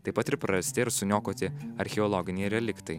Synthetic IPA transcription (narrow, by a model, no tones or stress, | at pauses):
t̪ɐɪpːɐt̪ɪɾpɾɐɐsʲt̪ʲɪɪɾsʊnʲoːkoːt̪ʲɪɐɾʲxʲɛɔlˠɔɡʲɪnʲɛɪɾʲɛlʲɪkt̪ɐɪ